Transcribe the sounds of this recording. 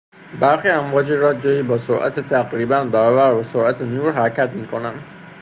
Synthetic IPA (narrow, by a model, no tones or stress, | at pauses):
bæɾxiːæmvɒːd͡ʒiɾɒd̪jɒiːbɒːsoɾʔæ̰t̪ʰet̪ʰæɡɾiːbænbæɾɒːbæɾbæsoɾʔæt̪ʰenuːɾɦæɾcʰæt̪miːkʰo̞nænd̪̥